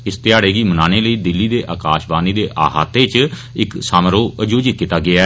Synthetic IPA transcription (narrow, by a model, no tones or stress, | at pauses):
ɪst̪ɪjaːɽeːɡiːmənaːneːləiːd̪ɪlːiːd̪eːʔaːkaːʃbaːniːd̪eːʔaːɦa̰ːt̪eːt͡ʃ | ɪksaːmɾoːəd͡ʒuːd͡ʒɪt̪̚kiːt̪aːɡɪaː